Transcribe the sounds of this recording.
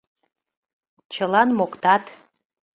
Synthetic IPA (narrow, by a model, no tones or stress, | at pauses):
t͡ɕəlɑnmokt̪ɑt̪